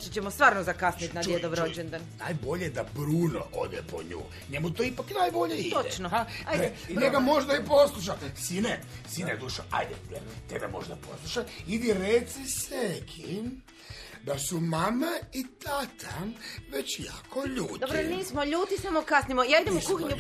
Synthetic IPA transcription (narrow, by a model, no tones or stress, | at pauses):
t͡ʃit͡ɕemost̪ʋaːɾnozakasnit̪nad̪jed̪oʋɾod͡ʒend̪annajbo̞ʎed̪abɾuːno̰ʔo̰d̪ḛpo̰ɲṵː | ɲemut̪oipaknajbo̞ʎeit̪ot͡ʃnoaj̪e | neɡamo̞ʒd̪aipo̞slˠuʃ̬asine | sined̪uʃaa̰jd̪ɛ̰ḛt̪ed̪amo̞̰ʒd̪apo̞̰slˠuʃaid̪iɾet̪sisekʰi | d̪asumamait̪at̪ʰaʋet͡ɕja̰ːkʰoʎuːt̪d̪obɾoniːsmoʎuːt̪isamokasnimojaːid̪emoukuxiɲu